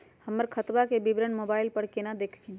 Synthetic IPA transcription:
həmːəɾkʰət̪bakebibɾənmobaːɪlpəɽkenad̪eːkʰkin

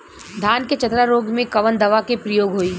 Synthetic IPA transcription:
d̪ʱaːnket͡ʃɐt̪ɾaɾoːɡmẽkɐʋənd̪ɐʋakepɾəjoːɡɦoːiː

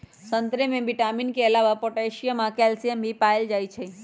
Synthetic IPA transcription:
sə̃nt̪ɾemẽbɪʈaːminkeɐlaːʋapoːʈɛːʃijamãkɛːlsijəmbʱipaːeld͡ʒaːit͡ʃʰe

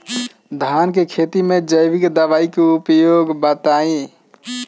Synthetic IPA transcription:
d̪ʱaːnkekʰet̪imẽd͡ʒəjʋikd̪əʋaːikeupjoːɡbət̪aĩ

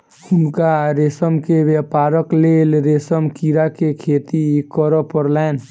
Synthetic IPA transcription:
hʊnkaɾeːsəmkeʋepaːɾəkleːlɾeːsəmkiːɾakekʰeːt̪ikɔɾəpəɾlɛːn

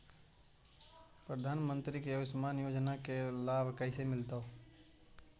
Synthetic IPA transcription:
pɾəd̪ʱaːnmə̃nt̪ɾikejoːɡsmaːnjoːd͡ʒnakelaːbkɛːsemɪlt̪ao

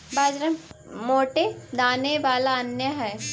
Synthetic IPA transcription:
baːd͡ʒɾəmmoːʈed̪aːneʋaːlaɐnjəɦɛː

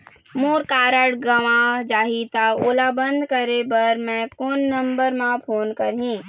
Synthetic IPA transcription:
moːɾkaːɾəɽɡəʋãd͡ʒaːɦit̪aoːlabə̃nd̪ʱkəɾebəɾmɛ̃koːnːɐ̃mbəɾmãpʰoːnkɐɾɦĩː

